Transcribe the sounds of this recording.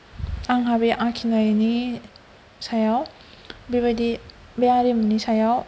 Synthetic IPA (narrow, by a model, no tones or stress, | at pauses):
aŋɦabeʔakʰinajni | sajaw | biβajdi | beaɾimunisajaw